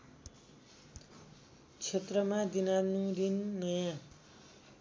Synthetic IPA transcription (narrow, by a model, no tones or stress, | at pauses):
t͡sʰet̪rʌmad̪inanũɾinːʌjã